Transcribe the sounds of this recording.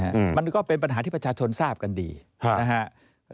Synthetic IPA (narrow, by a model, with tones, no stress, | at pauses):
a˦ʔma˧nkɔː˥˩pe˧np̬a˧nɦaː˩˦t̪ʰiː˥pɾt͡ɕaː˧t͡ɕʰo˧nsaː˥˩p̚ka˧ndḭː˧ | na˦˥kʰa˦˥ʔ